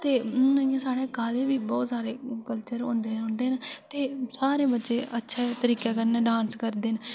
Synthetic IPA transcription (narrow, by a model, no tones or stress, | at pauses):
t̪eːəãːsaːɽeːkaːleːbiːbɔːt̪saːɾeːkəlt͡ʃəɾõ̰ːnd̪eːnʊ̃ːnd̪eːnt̪eːsaːɾeːbətːʃeːətːʃʰeːt̪əɾiːkeːkəɾneːɖãːnskəɾd̪eːn